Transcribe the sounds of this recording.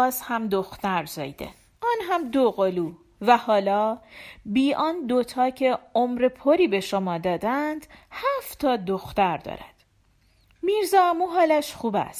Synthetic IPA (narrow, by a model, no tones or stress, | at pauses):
ɒːzhæmd̪oxt̪æɾzɒ̰ːjd̪ḛ | ʔɒːnɦæmd̪oɣoluː | væhɒːlɒːbiːʔɒːnd̪ot̪ʰɒːcʰe̞omɾepʰoɾiːbe̞ʃomɒːd̪ɒːd̪ænd̪̥hæft̪ʰɒːd̪oxt̪æɾd̪ɒ̰ːɾæ̰d̪̥ | miɾzɒːæmuɦɒːlæʃxuːbæ̰st̪